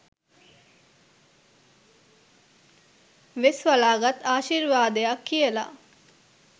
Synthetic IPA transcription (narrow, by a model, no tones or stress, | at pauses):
ʋesʋalaːɡat̪aːʃirʋaːd̪ejakːijəla̰